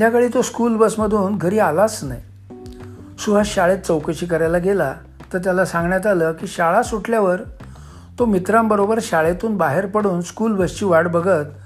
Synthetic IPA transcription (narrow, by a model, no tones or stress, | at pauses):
d͡ʑjakəɭiːt̪oskuːlbəsməd̪ʱuːnɡʱəɾiːalasna̰j | suʋaɕaɭet̪̚t͡səwkəɕiːk̬əɾajlaɡela | t̪əɾt̪jalasãŋɡɳjat̪̬aləkiːɕaɭasuʈʰljaʋəɾ | t̪omit̪ɾãmbəɾobəɾɕaɭet̪uːnbaɦeɾpəɽuːnskuːlbəst͡ɕiːʋaɽbəɡʱət̪